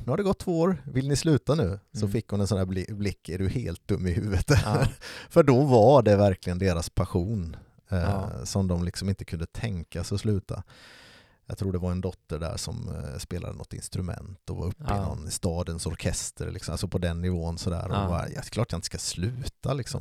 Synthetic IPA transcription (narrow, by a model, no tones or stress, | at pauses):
nʉhaɖɛɡɔt̪ʰːvoːoːɾvɪlnɪslʉ̟ːt̪anʉ̟ːsɔfɪkːhʊnɛnsɔnæːblɪblɪkːɛɖɵheːlt̪̚d̪ɵmːɪhʉ̟ːvət̪ | fœɖɔvaɖɛvæɾklɪɡənd̪eːɾaspʰaɧuːn | sɔmd̪ɔmlɪksɔmɪnt̪ə̥kʰɵnd̪ət̪ʰɛŋkasɔslʉ̟ːt̪ʰa̰ | jɑ̰t̪ʰɾuːɖɛvaɾɛnd̪ɔt̪ːəɖæ̰ːʂɔ̰mspeːla̰d̪ənɔt̪ːɪ̰nst̪ɾɵmɛ̰nt̪ɔva̰ɾɵpːɪnɔ̰nːst̪ɑːd̪ənsɔɾkʰɛst̪ʰə̰ɾlɪksɔma̰sɔpʰɔd̪ɛnːɪvoːənsɔd̪æ̰ːɾɔba̰j̰klɑːɾʈ̚ajaɪnt̪ə̥skaslʉ̟ːt̪ʰalɪksɔ̰m